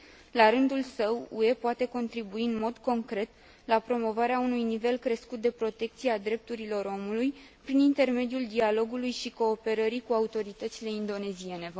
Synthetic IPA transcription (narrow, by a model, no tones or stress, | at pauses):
laɾɨnd̪ulsəwue̞poat̪e̞ko̞nt̪ɾibuiɨnmo̞d̪ko̞ŋkɾe̞t̪ | lapɾo̞mo̞vaɾeaunujnive̞lkɾe̞skut̪̚d̪e̞pɾo̞t̪e̞k̚t̪siead̪ɾe̞p̚t̪uɾilo̞ɾo̞muluj | pɾinint̪e̞rme̞d̪iuld̪ialo̞ɡulujʃiko̞ːpe̞ɾəɾikuaut̪o̞ɾit̪ət̪sile̞ind̪o̞ne̞zie̞ne̞